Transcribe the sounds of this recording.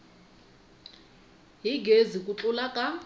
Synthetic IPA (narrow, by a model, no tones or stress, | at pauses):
ɦiɡʱezikʼut͡ɬʼulakʼa